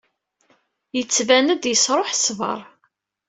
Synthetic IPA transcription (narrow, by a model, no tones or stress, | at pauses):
jət͡sːvænəd̪jəsɾˤoħsvə̰ɾˤ